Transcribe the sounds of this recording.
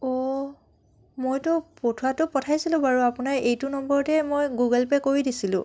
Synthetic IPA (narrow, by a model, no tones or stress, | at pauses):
ɔ | mojtʊpotʰʊwatʊpɔtʰajsilʊ̃baɹuapʊnaɹejtʊnɔmbɔɹɔtɛmojɡuɡɛlpɛkoɹidisilʊ̰̃